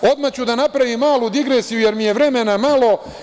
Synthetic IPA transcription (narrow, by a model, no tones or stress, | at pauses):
o̞d̪mat͡ɕud̪anapɾaʋimːaːlud̪iɡɾe̞ːsijuje̞ɾmije̞ʋɾe̞menamalo̞